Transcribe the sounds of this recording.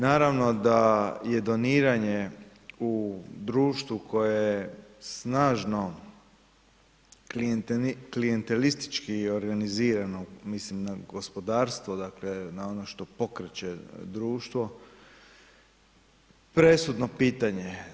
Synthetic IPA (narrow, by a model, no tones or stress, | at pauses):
naːɾaʋno̞d̪aje̞d̪o̞niːɾaɲe | ud̪ɾuːʃt̪ʋukʰo̞jejesnaːʒno̞ | klijent̪elist̪i̥t͡ʃkioɾɡaniziːɾano̞mislimnaɡo̞spod̪aːɾst̪ʋod̪akle̞naonoʃt̪o̞po̞kɾet͡ɕed̪ɾuːʃt̪ʋo̞ | pɾe̞sud̪no̞piːt̪aɲe